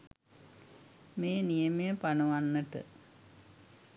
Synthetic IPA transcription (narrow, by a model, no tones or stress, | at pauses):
meːnijəmejəpanɐʋanːəʈə̰